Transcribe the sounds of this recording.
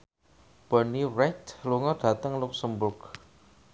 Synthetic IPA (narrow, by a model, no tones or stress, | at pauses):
b̥əniɾɛt̪luŋɔɖ̥ä̤t̪əŋlʊksəmbʊrk